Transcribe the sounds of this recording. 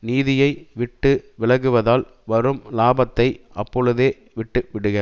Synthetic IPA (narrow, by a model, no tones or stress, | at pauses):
niːðɪjɐɪʋɪʈːɯʋɪɭɐɣɯʋɐðaːl | ʋɐɾɯmlaːbɐt̪ːɐɪʔɐpːɔɻɯðeː | ʋɪʈːɯʋɪɽɯɣɐ